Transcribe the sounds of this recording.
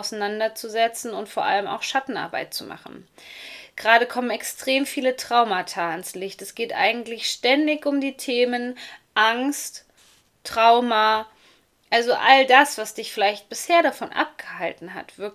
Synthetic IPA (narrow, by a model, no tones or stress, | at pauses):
ʊsanandɐt͡suzɛt͡sn̩ʊntfoːɐʔa̰ləma̰ʊxʃatn̩ʔa̰ɐba̰ɪt̚t͡suma̰χn̩ | ɡ̥ʁaːɾəkʰɔmənɛkstʁ̥eːmfiːlətʁ̥aʊmatʰaːanslɪçtɛsɡ̥eːtʔa̰ɪɡŋ̩tlɪçʃtɛndɪçʊmdiːtʰeːmənʔaŋst | ʁ̥aʊma | ʔalzoʔa̰ldasv̥asd̥ɪçfɪlaɪçt̚b̥ɪsheːɐɾafɔnʔa̰p̚ɡ̥əhaltn̩ɦa̰tv̥ɪɐk